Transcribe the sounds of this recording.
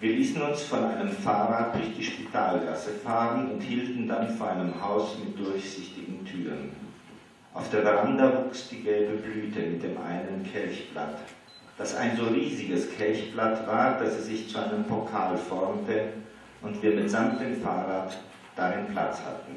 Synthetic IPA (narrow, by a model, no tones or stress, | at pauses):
viːɐliːsn̩ʊnsfɔnʔaɪnəmfaːʁaːt̚d̥ʊɐçd̥iːʃpitʰaːlɡasəfaːʁənʊnthiːltn̩danfoɐʔaɪnəmɦaʊsmɪt̚d̥ʊɐçz̥ɪçtɪɡŋ̩tʰyːʁən | ʔaʊfd̥eːɐvʁandɐvuːksd̥iːɡɛlbəblyːtʰəmɪt̚d̥eːmʔa̰ɪnənkʰɛlçb̥la̰t | d̥asa̰ɪnzoːʁiːzɪɡəskʰɛlçb̥latv̥aːɐd̥asɛz̥ɪçt͡suʔaɪnəmpʰokʰaːlfɔɐmtə | ʔʊntv̥iːɐmɪtz̥amt̚d̥eːmfaːʁaːt | d̥aʁɪnpʰl̥a̰t͡sha̰tn̩